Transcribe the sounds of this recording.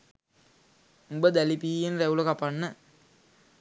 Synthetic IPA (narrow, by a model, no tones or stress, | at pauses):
ubəd̪ælipiːjenræuləkapanːə